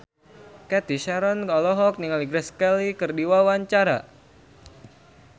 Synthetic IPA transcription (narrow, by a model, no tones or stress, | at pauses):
kɛt̪iʃaɾɔnkalɔɦɔk̚niŋaliɡɾɛskɛlikɨrdiwawaɲt͡ʃaɾa̰